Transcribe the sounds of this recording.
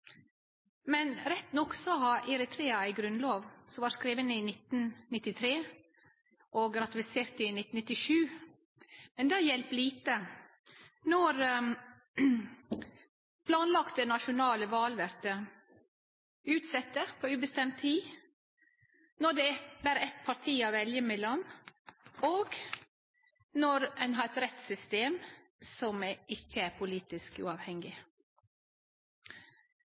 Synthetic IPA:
mɛnɾɛt̪nɔksɔhɑɾʔɪɾɛt̪ʰɾeːɑæɪɡɾʉnloːʋsɔmʋɑɾskɾiːʋənɪnɪt̪nnɪt̪ːɪt̪ʰɾeː | ʔɔɡɾɑt̪ɪfɪseːɾt̪ɪnɪt̪n̩ɪt̪ːɪʃʉː | mɛnd̪ɛæɾjɛlpliːt̪ə | nɔɾ | pʰlɑːnlɑkt̪̚d̪ɛnɑʃʊnɑːləʋɑːlʋæɾt̪ə | ʉːt̪sɛt̪ːəɾpʰoʉːbəst̪ɛmt̪ʰiː | nɔɖ̪ɛbæːɾəɛt̪pʰɑɾt̪ʰiːɑʋɛljəmɛlɔn | oːɡ | nɔɾɛnɦɑːɾɛt̪ɾɛt̪sʏst̪eːm | sɔmæɪçːəæɾpʰʊliːt̪ɪskʉ̰ːɑːʋhɛŋɡɪ

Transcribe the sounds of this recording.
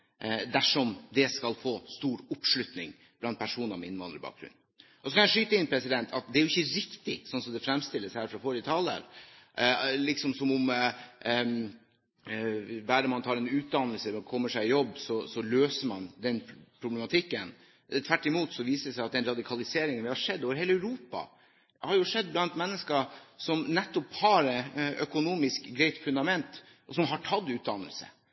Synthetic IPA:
d̪æʂɔmd̪ɛskɑlfoːst̪uːɾʊpʂlʉt̪nɪŋ | b̥lɑnt̪pʰæʂuːnɑɾmɛɪnːʋɑnd̪əɾbɑ̰ːk̚ɡɾʉ̰n | ʔɔsɔkʰɑnjæɪʂyːt̪əɪnːpʰɾɛsɪd̪ɛnt̪ʰɑt̪̚d̪ɛæɾjʊɪçəɾɪkt̪ɪsɔnsɔmd̪ɛfɾɛmst̪ɪlːəshæːɾfɾɑfoɾət̪ʰɑlə̰ɾ | lɪksɔmsɔmʊm | bæːɾəmɑnt̪ʰɑːɾɛnʉːt̪̚d̪ɑnəlsəkʰɔmːəʂæɪjɔbːsɔsɔløːsəmɑnd̪ɛnpʰɾʊblɛmɑt̪ʰɪkːən | t̪ʰʋæʈːɪmuːt̪sɔʋiːsədsæɪɑt̪d̪ɛnɾɑd̪ɪkʰɑlɪseːɾɪŋənʋɪhɑʂɛd̪ːoːʋəɾheːləæʉɾuːpɑ̰ | hɑɾjʊʂɛd̪̚ːblɑnt̪mɛnːəskəsɔmnɛt̪ːɔphɑɾœkʊnuːmɪskɡɾɛɪt̪fʉnd̪ɑmɛnt̪ | ʔɔsɔmɦɑʈʰɑd̪ːʉːt̪̚d̪ɑnə̰lsə̰

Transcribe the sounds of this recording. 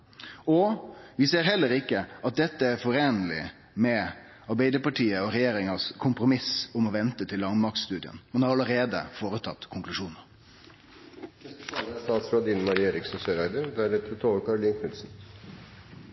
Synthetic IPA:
ɔʋɪseːɾɦɛlːəɾɪkːəɑt̪̚d̪ɛt̪ːəæɾfɔɾeːnəlɪ̰ | mɛ | ɑɾbæɪd̪əpɑʈʰiːəɔɾɛjeːɾɪŋɑskʰʊmpɾʊmɪsʊmɔʋɛnt̪ət̪ʰɪlːɑŋmɑk̪st̪ʉːd̪ɪə̰nmɛnhɑɾɑləɾeːd̪ə̰foːɾət̪ʰɑt̪ːkʰʊŋklʉʂuːnəɾ | st̪ɑːt̪sfɾɑd̪iːnmɑɾeːɾɪksn̩søːɾæɪd̪əd̪æɾɛt̪ət̪ʰoːəɾkʰɑɾʊliːnkʰnʉlsn̩

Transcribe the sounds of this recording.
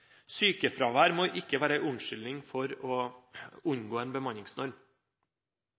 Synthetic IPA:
syːkəfɾɑːʋæːɾmoːʔɪkːəʋæːɾəæɪʔʉnʃʏlɪŋfɔɾoːʊɲɡoːeːnbəmɑɲɪŋsnɔɾm

